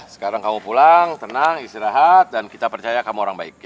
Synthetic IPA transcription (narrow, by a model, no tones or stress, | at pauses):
sə̥kaɾaŋkamupulaŋt̪ənaŋist̪iɾaɦat̪̚dankit̪apərt͡ʃajakamuoɾaŋbaɪk̚